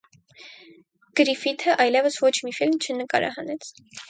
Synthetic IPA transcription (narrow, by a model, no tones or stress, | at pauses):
ɡ̥əɾifit̪ʰəʔɑjlɛvəsvɔt͡ʃʰmifilmt͡ʃʰənəkɑ̰ɾɑ̰ɦɑnɛt͡sʰ